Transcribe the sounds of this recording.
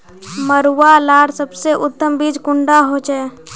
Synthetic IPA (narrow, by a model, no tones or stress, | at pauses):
məɾuwalaːɽsəbseʔʊt̪ːəmbiːd͡ʒkʊɳɖaɦot͡ʃɛ